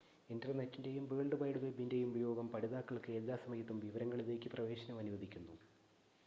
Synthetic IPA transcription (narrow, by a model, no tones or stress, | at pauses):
endrɐnɐtːinde̞jumbeːɳɖɨbɐjɽuʋebinde̞jumubɐjo̞ːɡɐmpɐɽiðaːkːɐɭkɨjelːaːsɐmɐjɐt̪ːumʋiʋɐɾɐŋːɐɭiðe̞ːkʲːɨprɐʋe̞ːɕɐnɐmɐnuʋɐd̪ʱikʲːunːu